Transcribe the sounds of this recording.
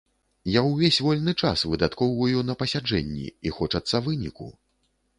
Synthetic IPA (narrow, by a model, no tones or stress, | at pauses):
jawvʲesʲvɔlʲnɨt͡ʂa̰svɨd̪at̪kɔwvɐjun̪ɐpɐsʲad͡ʐɛ̰nʲːḭixɔt͡ʂɐt̪sːɐvɨnʲḭkṵ